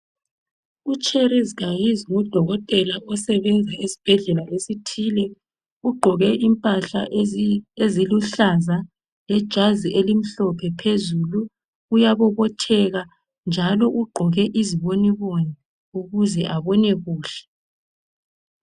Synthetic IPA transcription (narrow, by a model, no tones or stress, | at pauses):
ut͡ʃʼerizɣajiziŋɔd̥ʱɔɣɔtʼɛlaʔɔsɛβɛnd͡zʱɛesi̥b̥ʱɛɮɛlalesitʰiːlɛ | uɡ͡ǃʱɔɣɛʔimpʼaɬa̰ | eziluɬaza | lɛd̥ʒ̥ʱaziʔelim̩ɬɔpʰɛpʰezulu | ujaβɔβɔtʰɛɣa | nd͡ʒʱalɔʔuɡ͡ǃʱɔɣɛʔiziβoniβɔna | uɣuzɛʔaβɔnɛɣuːɬɛ̥